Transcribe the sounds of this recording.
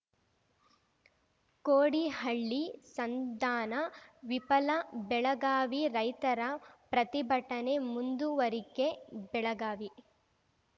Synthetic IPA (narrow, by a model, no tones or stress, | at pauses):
koːɽiɦɐɭːisɐnd̪aːnɐʋipɐlɐbɛɭɐɡaːʋiɾɐjt̪ɐɾɐpɾɐt̪ibʱɐʈːɐnemund̪uʋɐɾikebɛɭɐɡaːʋi